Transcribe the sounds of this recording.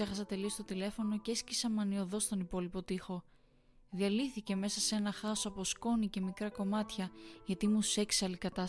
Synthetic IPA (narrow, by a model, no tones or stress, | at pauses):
e̞xɐsɐt̪e̞lio̞st̪o̞t̪ile̞fo̞no̞cescisɐmɐnio̞ðo̞st̪o̞nipo̞lipo̞t̪ixo̞ | ðiɐliθice̞me̞sɐse̞nɐxɐosɐpo̞sko̞nice̞mikɾɐko̞mɐt̪çɐʝɐt̪imuse̞kseɐlikɐt̪ɐs